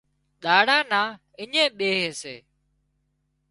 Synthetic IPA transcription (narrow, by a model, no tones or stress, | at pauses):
ɗaːɽãːnãː | ɪɲẽːɓeːɦeːsḛː